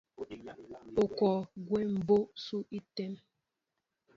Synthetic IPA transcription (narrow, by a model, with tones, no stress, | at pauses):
o˨kɔ˨ɡwe˦m̩˨bo˦su˦i˦te˦m